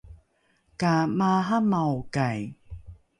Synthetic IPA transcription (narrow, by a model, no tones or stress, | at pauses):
kamaɦamawkaj